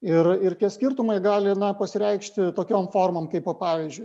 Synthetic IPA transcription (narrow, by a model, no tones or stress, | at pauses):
ɪrɪrt̪ʲiɛsʲkʲɪrt̪ʊmɐɪɡɑːlʲɪnɐpɐsʲɪɾʲɛɪkʃʲt̪ʲɪt̪oːkʲoːmfoːrmoːmkɐɪpoːpɑːʋʲizʲd͡ʒʲʊɪ